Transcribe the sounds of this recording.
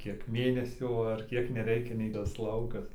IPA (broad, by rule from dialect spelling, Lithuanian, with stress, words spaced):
ˈkʲiɛk ˈmʲeːnʲɛsʲuː ɐr ˈkʲiɛk nʲɛˈrʲɛɪkʲɛ nʲɛɪ tɐs ˈlˠɐʊkɐs